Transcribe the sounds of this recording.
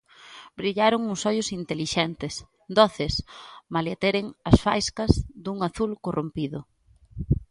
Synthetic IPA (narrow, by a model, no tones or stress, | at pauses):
bɾiʎaɾoŋusɔʎʊsint̪eliʃɛnt̪ɪs | d̪ɔθɪsmalat̪eɾɪŋɐsfajskɐzd̪uŋaθulkorʔompiðʊ